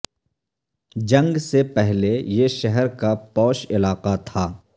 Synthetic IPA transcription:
d͡ʒɐ̃ŋɡsepɛɦlejeʃɛɦɛɾkapɔːʃɪlaːqat̪ʰaː

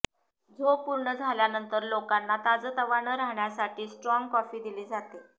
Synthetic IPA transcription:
d͡zʱopuɾɳəd͡zʱaljanənt̪əɾlokanːat̪ad͡zət̪əʋaɳəɾaɦɳjasaʈʰiːsʈɾɔŋɡkɔfiːd̪iliːd͡zat̪e

